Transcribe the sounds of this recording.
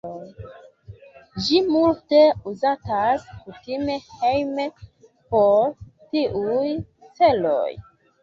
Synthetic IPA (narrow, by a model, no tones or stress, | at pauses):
d͡ʒimulteuzataskutime̞hejme | poɾtiʔuj | t͡se̞lo̰j